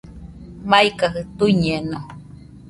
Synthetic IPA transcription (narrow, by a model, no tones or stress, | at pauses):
maikaɦɯt̪uiɲeno